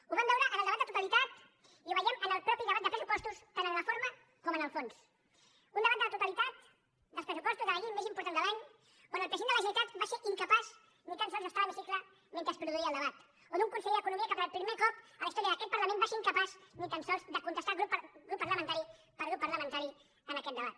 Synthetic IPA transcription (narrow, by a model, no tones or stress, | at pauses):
uβambɛwɾəʔənəlˠəβat̪d̪ət̪ut̪əlit̪at̪ | iuβəjɛmənəlˠpɾɔpiðəβat̪̚d̪əpɾəsupɔst̪ust̪anənləfoɾmə | kɔmənəlˠfons | und̪əβat̪d̪ələt̪ut̪əlit̪at̪ | d̪əlˠspɾəsupɔst̪uzðələʎemezimpuɾt̪and̪əlaɲ | kwanəlˠpɾəziend̪ələʒiit̪at̪baseʔiŋkəpaz | nit̪ansɔlˠzðəst̪aβəβisiklə | mẽnt̪ɾəspɾuðuiəlˠd̪əβat̪ | oðuŋkunsɛʎəkunumiəkapəɾəlpɾimekɔpələist̪ɔɾiəkəkɛt̪̚pəɾləmẽnmbaseɾiŋkəpaznit̪ansɔlzd̪əkunt̪əst̪alˠɣɾuɣɾupːərləmə̃nt̪aɾi | pəlɣɾupːəɾləmənt̪aɾi | ənəkɛt̪̚d̪əβat̪̚